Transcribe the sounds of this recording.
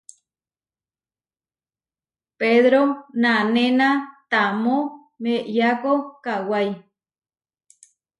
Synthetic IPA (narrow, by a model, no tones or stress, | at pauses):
peðɾonanẽnat̪amõ | meʔjakokawaj